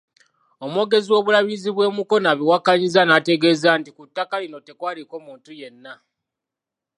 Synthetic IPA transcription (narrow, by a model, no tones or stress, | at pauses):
o̞mwo̞ːɡe̞ziwo̞ːβulaβiziβwe̞ːmuko̞naβiwakaɲizanate̞ɡe̞ːzaːntikutːakalino̞te̞kwaːliko̞muːntujenːa